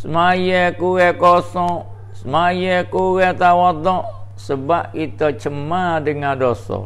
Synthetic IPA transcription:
səmajɛkuwɛkɔsɔ̃ | səmajɛkuwɛt̪awad̪ɔʔsəbaʔkit̪ɔt͡ʃəmadəŋadɔsɔ̰

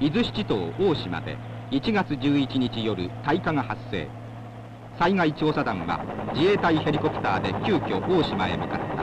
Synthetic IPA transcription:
mʲizɨɕi̥t͡ɕit̪o̞ːoːɕima̰d̪e̞̰ | it͡ɕiɡat͡sɨʑɨːit͡ɕiɲit͡ɕijo̞ɾɯ̟t̪aikaŋahasːe̞̰ː | saiŋait͡ɕoːsad̪ãŋ̃βa̰d͡ʑie̞ːt̪aihe̞ɾʲiko̞pɯ̟̥t̪aːd̪e̞kʲɨːkʲo̞ʔoːɕimae̞̰mikase̥t̪ːa

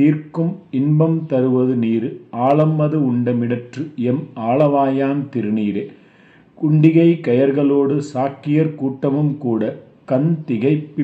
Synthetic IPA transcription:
iːɾkɯmɪnbɐmt̪ɐɾɯʋɐðɯniːɾɯaːɭɐmːɐðɯʊɳɖɐmɪɽɐʈrɯɛmaːɭɐʋaːjaːnt̪ɪɾɯniːɾeː | kʊɳɖɪɣɐɪkɐjɐɾɣɐɭoːɽɯsaːkːɪjɐɾkuːʈːɐmɯmkuːɽɐ | kɐnt̪ɪɣɐɪpːɪ

